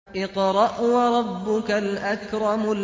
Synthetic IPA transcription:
ʔɪqɾˤɑʔwɑɾˤɑbːʊkalʔakɾˤɑmʊ

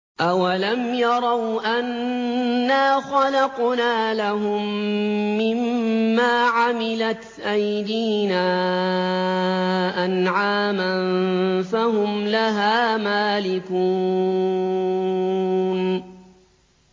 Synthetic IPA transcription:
ʔawalamjɑɾˤɑwʔanː | aːxɑlɑqnaːlaɦʊmː | ɪmːaːʕamɪlat̪ʔajd̪iːnaː | ʔanʕaːmanfahʊmlaɦaːmaːlɪkuː | n

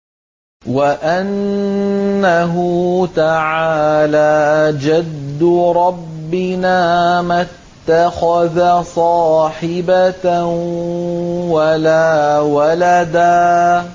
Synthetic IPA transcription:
waʔanː | aɦʊt̪aʕaːlaːd͡ʒad̪ːʊɾˤɑbːɪnaːmat̪ːaxaðasˤɑːħɪba | walaːwalad̪aː

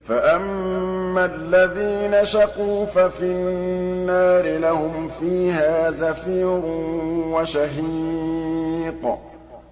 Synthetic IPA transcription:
faʔamːalːaðiːnaʃaquːfafinnːaːɾɪlahʊmfiːhaːzafiːɾʊwaʃaɦi | q

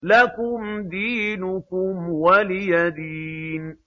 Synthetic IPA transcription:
lakʊmd̪iːnʊkʊmwalɪjad̪iːn

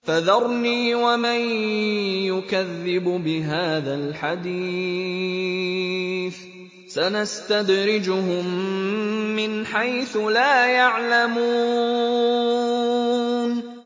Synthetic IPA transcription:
faðɑɾˤniːwaman | jʊkaðːɪbbɪɦaːðalħad̪iː | θ | sanast̪ad̪ɾɪd͡ʒʊhʊmː | ɪnħajθʊlaːjaʕlamuː | n

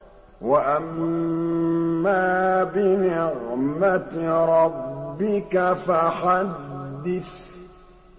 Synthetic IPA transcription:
waʔam | aːbɪnɪɣmat̪ɾˤɑbːɪkafaxad̪ːɪθ

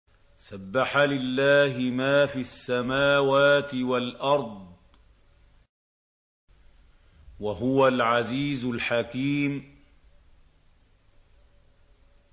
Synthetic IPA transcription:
sabːaħalɪlːaːɦɪmaːfiːasːamaːwaːt̪ɪwalʔɑɾˤd̪ˤ | waɦʊwalʕaziːzʊlħakiːm

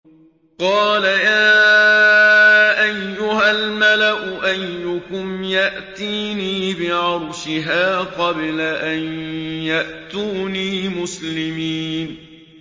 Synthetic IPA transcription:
qɑːlajaː | ʔajːʊɦalmalaʔʊʔajːʊkʊmjaʔt̪iːniːbɪʕʊɾˤʃɪɦaːqɑblaʔanjaʔt̪uːniːmʊslɪmiːn

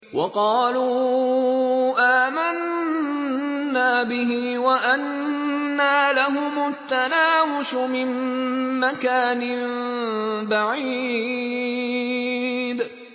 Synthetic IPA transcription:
wʔɑqɑːlu | ʔaːman | aːbɪɦiwaʔanː | aːlaɦʊmʊt̪ːanaːwʊʃʊmɪmːakaːnɪ | baʕi | d̪

